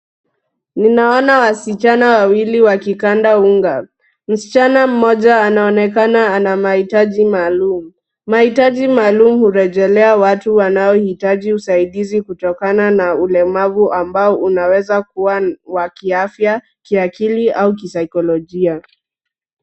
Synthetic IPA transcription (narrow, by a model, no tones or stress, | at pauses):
ninaɔnawasit͡ʃanawawiliwakikandauŋɡa | m̩si̥t͡ʃanam̩mɔʄaːnaɔnɛkanaːnamahitaʄimaːlumu | mahitaʄimaːlumuhuɾɛʄɛlɛawatuwanaɔhitaʄiusaiɗizikutɔkananaulɛmavuʔambaɔʔunawɛzakuwawakiafja | kiakiliauk̬isajkɔlɔʄia